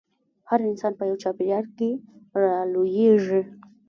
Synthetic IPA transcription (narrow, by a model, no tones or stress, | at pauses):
haɾɪnsɑnpəjawt͡ʃɑpejɑɽkeɾɑlojeʐi